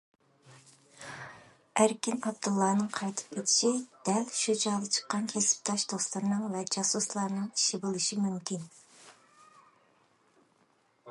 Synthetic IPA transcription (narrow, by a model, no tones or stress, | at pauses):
æɾkʲinɑb̚d̪ulˠːɑːnɨŋqʰɑjt̪ʰɨ̥p̚kʲet̪ʰɪ̥ʃid̪̥ɛlʃud͡ʒɑːd̪ɨt͡ʃʰə̥qːɑnkʲʰesɪ̥p̚t̪ʰɑʃd̪̥oslˠɨɾnɨŋvɛd͡ʒɑsuslˠɑɾnɨŋiʃɪbɨlˠɨʃimymkʲin